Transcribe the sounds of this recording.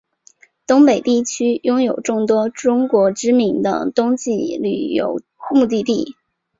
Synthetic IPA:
t̪ʊ˥ŋpe˨˩ɪt̪i˥˩t͡ɕʰy˥jʊ˥ŋjo˨˩ʊʈ͡ʂʊ˥˩ŋt̪wɔ˥ʈ͡ʂʊ˥ŋkwɔ˧˥ʈ͡ʂɻ̩˥mi˧˥ŋd̪ə̰˧t̪ʊ˥ŋt͡ɕi˥˩ly̰˨˩jo̰˧˥ʊ | xmu˥˧t̪i˥˧t̪i˥˩

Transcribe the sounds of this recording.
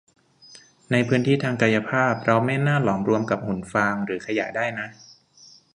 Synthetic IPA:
na˧jpʰɯː˦˥nt̪ʰiː˥˩t̪ʰaː˧ŋka˧ja˧pʰaː˥˩p̚ʰɾa˧mɛː˥˩naː˥˩lɔː˩˦mɾu˧əmka˨˩p̚hu˨˩˦nfaː˧ŋɾɯː˩˦kʰa˧ja̰˨˩ʔdaː˥˩jna˦˥ʔ

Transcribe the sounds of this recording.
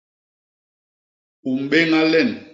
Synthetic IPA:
u˨m˨ɓe˦ŋa˦lɛ˦˨n

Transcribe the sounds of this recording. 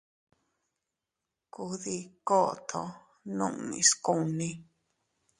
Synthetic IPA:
ku˧˦ði˧ko˦ʔt̪ʰo˧ | nṵ̃˦ʔnḭ̃˨sku˦nĩ˦

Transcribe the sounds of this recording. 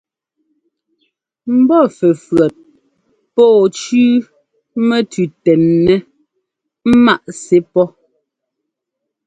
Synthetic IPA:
m̩˦bɔ˦fɛ˨fɰa˨t̚ | pɔː˦˨t͡ʃʉː˦ | mɛ˦tʉ˨tɛ˨nːɛ˦ | m̩˦ma˦ʔse˦pɔ˦

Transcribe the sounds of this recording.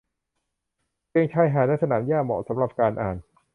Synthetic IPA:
keː˥˩ŋt͡ɕʰa˧˥˩jɦaː˨˦laː˧˥˩sa˧naː˩˦mjaː˥˩mɔ̰˨˩sa˩˦mɾa˨˩p̚kaː˧nʔa̰ː˨˩n

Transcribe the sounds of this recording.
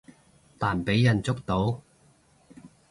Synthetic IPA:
t̪aː˨˩npe˨˥jjɐ˨nt͡sʊ˥k̚t̪o˨˥w

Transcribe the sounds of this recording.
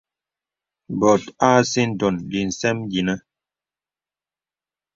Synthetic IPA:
bɔ˨ta˦si˦n̩˨tɔ˨nli˨n̩˨sɛ˦md͡ʒi˨nə˦

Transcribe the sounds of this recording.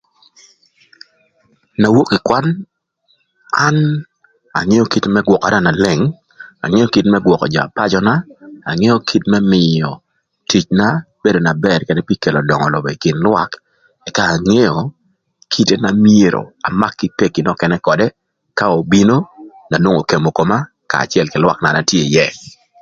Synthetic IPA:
na˨wo˦kɪ˨kwa˦n | a˦n | a̰˨ŋe˦jɔ˦ki˦temɛ˦ɡwɔ˨ka̰˨ɾa˦˨na˨lɪ˨ŋ | a̰˨ŋe˦jɔ˦ki˨tmɛ˦ɡwɔ˨kɔ̰˨d͡ʒa̰˨pa˦d͡ʒɔ˦naː˦˨ŋɛ˦jɔ˦kʰi˦tmɛ˦mɪ˨jɔ˨ | ti˨t͡ʃna˦ | b̥e˦do˨na˨bɛ˨rkɛ˨dɛ˦pi˦ke˨lɔ˨dɔ˨ŋɔ˨lo˨bɔ˨i˨kɪ˨nlwa˦k | ɛ˨kaː˨ŋe˦jɔ˨ | kʰi˦te˦na˨mje˦˨ɾo̰˨a˨ma˦kːɪ˦pe˦˨kɪ˨nɔ˦kɛ˨nɛ˦kɔ˨dɛ˦ | ka˦o˨bi˦no˦ | na˨nwo˦ŋo˨ke˨mo˨ko˨ma˦ | ka̰ː˨t͡ʃjɛ˨lkɪ˨lwa˦kna˨na˦tje˦˨jɛ˦

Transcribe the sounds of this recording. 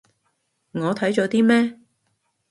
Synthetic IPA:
ŋɔː˨˧t̪ʰɐ˨˥jt͡ʃɔː˨˧˥t̪iː˥mɛː˥

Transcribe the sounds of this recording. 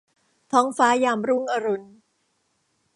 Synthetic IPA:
t̪ʰɔː˦˥ŋfaː˦˥jaː˧mɾu˥˩˨ŋʔa˧ɾu˧n

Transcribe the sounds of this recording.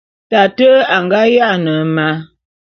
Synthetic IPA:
ta˨tə˦a˨ŋɡa˦ja˦nə˨ma˦

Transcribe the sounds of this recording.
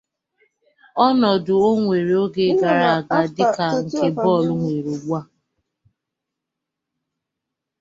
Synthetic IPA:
ɔ˦nɔ˨dʊ˨o˦ŋʷe˨ɾe˨o˦ɡe˨˦ɡa˨ɾa˨a˨ɡa˨dɪ˦ka˨ŋ̩˨ke˦bɔ˦˨lʊ˦ŋʷe˨ɾo˨ɡ͡bu˦a˦

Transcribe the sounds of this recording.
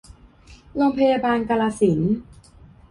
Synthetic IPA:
lo˧mpʰa˧jaː˧baː˧nka˧laː˧si˩˦n

